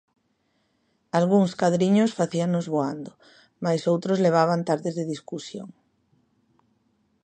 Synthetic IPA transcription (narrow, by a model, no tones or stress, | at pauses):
alɣuŋskaðɾiɲosfaθianozβoand̪o | majsowt̪ɾozleβ̞aβ̞ant̪aɾðezðeð̞iskusjo̰ŋ